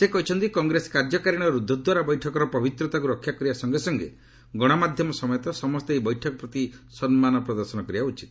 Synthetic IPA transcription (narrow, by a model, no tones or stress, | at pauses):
sekɔɦit͡ʃʰɔnt̪ikɔŋɡɾesɔ̥kaɾd͡ʒɔkaɾiɽ̃ɔɾud̪ʱːɔd̪waɾabɔjʈʰɔkɔɾɔpɔbit̪ɾɔt̪akuɾɔkʰjakɔɾibasɔŋɡesɔŋɡḛ | ɡɔɽ̃ɔmad̪ʱjɔmɔsɔmɔjɔt̪ɔsɔmɔst̪eebɔjʈʰɔkɔpɾɔt̪isɔnmanɔpɾɔd̪ɔɾsɔnɔkɔɾiaut͡ʃʰi̥t̪